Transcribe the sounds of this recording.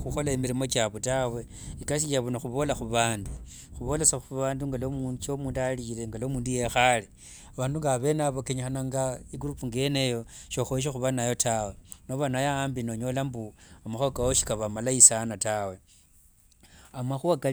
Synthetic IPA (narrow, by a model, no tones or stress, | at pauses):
xuxo̞laimiɾimo̞t͡ʃaβotawe̞ | ikasiʃaβunoxuβo̞laxuβaːndu | xuβo̞lesaxuβaːnduŋɡalomut͡ʃomuːndalile̞ŋɡalo̞muːnduje̞xali | aβaːnduŋɡaaβe̞naβokeɲixanaŋɡaiɡuɾupuŋɡe̞nejo̞ʃo̞xoiʃ̬exuβanajo̞tawe̞noβanajaaːmbinoɲo̞lambuamaxuakaoʃi̥kaβamalaisanatawe̞ | amaxuaka